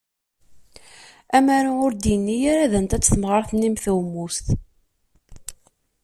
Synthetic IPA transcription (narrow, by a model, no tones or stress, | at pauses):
æmaɾaʊɾd̪jənːijaɾaðənt̪æt͡sːθəmʁəɾˤθnːimθæwmːust̪